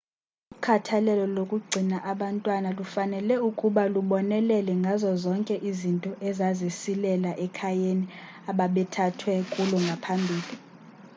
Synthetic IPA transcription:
ukʰatʰalɛlɔlokʼuɡ͡ǀʱinaʔaɓantʼwanalufanɛlɛukʼuɓaluɓɔnɛlɛlɛŋɡʱazɔzɔŋkʼɛʔizintʼɔʔɛzazesilɛlaʔɛkʰajeni | aɓaɓɛtʰatʰwɛkʼulɔŋɡʱapʰambʱiːli

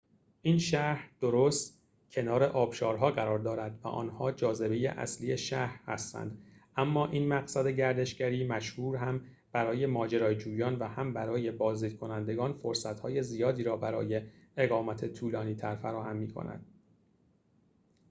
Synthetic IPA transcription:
ʔiːnʃæhɾd̪̥o̞ɾoːst̪ | cʰe̞nɒːɾe̞ʔɒːb̥ʃɒːɾɦɒːɣæɾɒːɾd̪ɒːɾæd̪væ̰ʔɒ̰ːnhɒːd͡ʒɒːze̞be̞jḛʔæ̰slije̞ʃæhɾhæ̰st̪æ̰nd̪̥ʔæmːɒːʔiːnmæɣsæd̪e̞ɟæɾd̪e̞ʃɡæɾiːmæʃhuːɾɦæm | b̥æɾɒːje̞mɒːd͡ʒeɾɒːjed͡ʒuːjɒːnvæhæmbæɾɒːje̞bɒːzd̪iːd̪̚kʰo̞nænd̪e̞ɡɒːnfoɾsæt̪hɒːje̞zijɒːd̪iːɾɒːbæɾɒ̰ːje̞eɣɒːmæt̪ʰe̞t̪ʰuːlɒːniːt̪ʰæɾfæɾɒːhæmːiːkʰo̰næ̰d̪̥

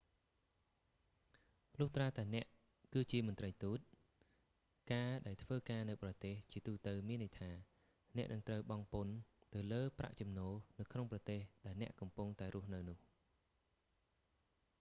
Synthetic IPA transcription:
lʊːht̪raːt̪aɛnɛ̆əʔ | kɨːt͡ɕiəmʊ̆ənt̪rəjt̪uːt̪̚ | kaːɗaɛlt̪ʰʋəːkaːnɨwprɑt̪eːht͡ɕiət̪uːt̪ɨwmiənːəjt̪ʰaː | nɛ̆əʔnɨŋt̪rəwɓɑŋpont̪ɨwləːpra̰ʔt͡ɕɑmnoːnɨwkʰnoŋprɑt̪eːhɗaɛlnɛ̆əʔkɑmpuŋt̪aɛɾŭəhnɨwnʊ̆əh

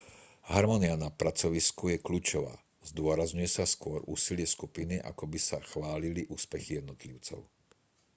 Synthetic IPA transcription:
ɦaɾmɔnianapɾat͡sɔʋiskujɛkʎuːt͡ʃɔʋa̰ː | zd̪ʊɔɾazɲujɛsaskʊɔɾʔṵːsilɪɛskupiniʔa̰kɔbisaxʋaːliliʔuːspɛxijɛd̪nɔt̪liʊt͡sɔ̰ʊ

